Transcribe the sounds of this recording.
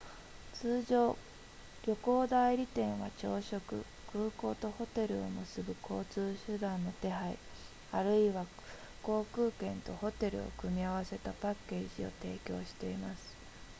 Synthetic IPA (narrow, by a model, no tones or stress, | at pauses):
t͡sɨːʑoː | ɾʲo̞ko̞ːd̪aiɾʲit̪ẽ̞ɰ̃βat͡ɕo̞ːɕo̞kɯ̟̰ | kɯ̟ːko̞ːt̪o̞ho̞t̪e̞ɾɯ̟o̞mɯ̟sɨbɯ̟kʰo̞ːt͡sɨːɕɨd̪ãnːo̞t̪e̞ɦaḭ | aɾɯ̟iβa | ko̞ːkɯ̟ːkẽ̞nt̪o̞̰ho̞t̪e̞ɾɯ̟̰o̞̰kɯ̟mʲiaβ̞ase̞t̪apakːe̞ːʑio̞̰t̪e̞ːkʲo̞̰ːɕi̥t̪e̞imasɨ̥